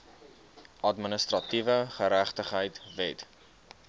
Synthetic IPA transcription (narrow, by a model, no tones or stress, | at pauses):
ʔɐdmənəst̪rɐtivəχəɾæχtəχɦəjtvɛt